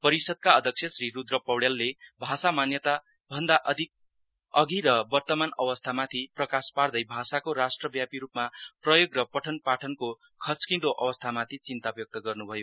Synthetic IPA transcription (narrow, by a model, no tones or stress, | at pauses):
pʌɾisʌd̪̚kaʌd̪ʱʌk̚sʰjʌsriɾud̪rʌpʌwɽjelːebʱasamanjʌt̪a | bʱʌnd̪aʔʌd̪ʱik̚ | ʌɡiɾʌbʌrt̪ʌmanʌwʌst̪ʰamat̪ʰiprʌkaspard̪ʌjbʱasakoɾasʈrʌbjapiɾupmaprʌjoɡrʌpʌʈʰʌnpaʈʰʌnko | kʰʌt͡skĩd̪oʔʌwʌst̪ʰamat̪ʰit͡sint̪abjʌk̚t̪ʌɡʌrnubʱʌjo